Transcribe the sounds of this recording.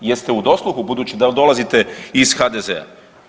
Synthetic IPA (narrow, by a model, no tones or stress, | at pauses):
je̞st̪eud̪o̞slˠuxubud̪uːt͡ɕid̪ad̪o̞lazit̪e̞iz̥xad̪ezḛa̰